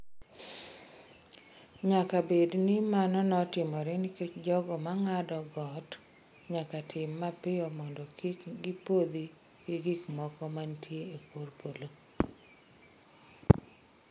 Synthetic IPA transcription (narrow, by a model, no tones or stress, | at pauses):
ɲakabednimanɔnɔtɪmɔɾɛniket͡ʃd͡ʒɔɡɔmaŋadɔɡɔt | ɲakatʰɪmːapɪɔmɔndɔkikɡipod̪i | ɡiɡikmɔkɔmantʰjeekorpolo